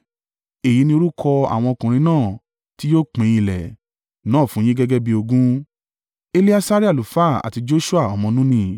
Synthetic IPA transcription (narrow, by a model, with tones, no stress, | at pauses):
e˨ji˨˦nĩ˧o˧ɾu˦kʰɔ˧a̰˨w̃ɔ̃˧ɔ˧kũ˨ɾ̃ĩ˧˦nãː˦˨ | ti˦joː˦k͡pẽ˨˦ĩ˧˦˨lɛ̰˨ | nãː˦˨fũ˨˦j̃ĩ˦ɡɛ˦ɡɛ˦bi˧o˧ɡũ˦ | e˦li˦a˦sa˦ɾi˦a˦˨lu˨fa˦˨a̰˨ti˧d͡ʒo˦ʃu˦a˦˨ɔ˨mɔ̃˧nũ˦nĩ˧